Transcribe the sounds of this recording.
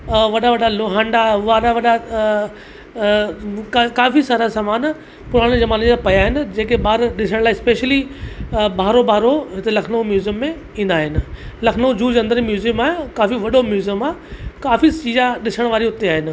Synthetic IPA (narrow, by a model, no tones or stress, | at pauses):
ʋɐɗaʋɐɗaloːɦãːɳɖaʊaɗaʋɐɗa | kkaːfisaːɾasaːmaːn | pʊɾ̤aːɽ̃d͡ʑɐmaːnẽd͡ʑãpɐjaːɦɪnɪ̆d͡ʑeːkeɓaːɾɗɪsəɽ̃laːɪɪspeːʃəli | bʱaːɾobʱaːɾoɦɪt̪elɐkʰnomjuːzijəmːẽ | ĩːn̆d̪aːɦɪnɪ̆lɐkʰnod͡ʑuːd͡ʑɐ̃nd̪əɾimjuːzijəmaːkaːfiʋɐɗomjuːzijəmaːkaːfit͡ɕiːzãɗɪsəɽ̃ʋaːɾiɦʊt̪eaːɦɪnɪ̆